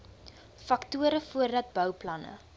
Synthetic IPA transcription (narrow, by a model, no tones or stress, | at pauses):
fɐktuəɾəfuərdɐt̚bœwplɐnə̰